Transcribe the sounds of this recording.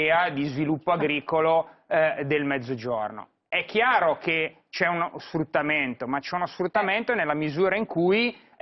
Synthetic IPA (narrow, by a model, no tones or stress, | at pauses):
ad̪izvilupːoaɡɾiːkolod̪elmɛd̪zːod͡ʒorno̰ | ɛkʰːjaːɾoke | t͡ʃɛunsfɾut̪ːament̪omat͡ʃɛunosfɾut̪ːament̪onelːamizuːɾaiŋkuj